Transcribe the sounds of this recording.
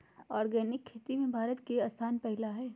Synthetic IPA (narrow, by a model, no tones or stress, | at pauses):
ɔːɾɡɛːnɪkʰːeːt̪imẽbʱaːɾət̪keɐst̪ʰaːnpɛɦɪlaɦɛː